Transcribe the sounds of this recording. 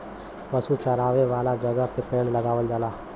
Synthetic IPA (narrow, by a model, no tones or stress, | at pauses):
ʋɐsut͡ʃɐɾaːʋeʋaːlad͡ʒɐɡəpɪpeːɽlɐɡaːʋəld̪aːlaː